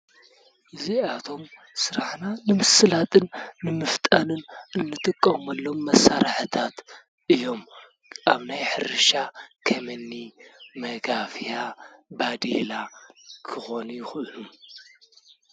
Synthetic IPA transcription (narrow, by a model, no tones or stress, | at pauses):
ʔɨziat̪ʰo̞m | sɨɾaħnanɨmɨsɨlat̪ʼɨnːɨmɨft̪ʼɐnɨnʔɨnːɨt̪ʼɨkʼːɐmɐlːo̞mːɐsːaɾaħɨt̪ʰat̪ | ʔɨjːo̞m | ʔaβnajħɨɾɨʃakʰɐmɐnːimɐɡafjabad̪elakʰɨxo̞nujɪxɨʔɨlum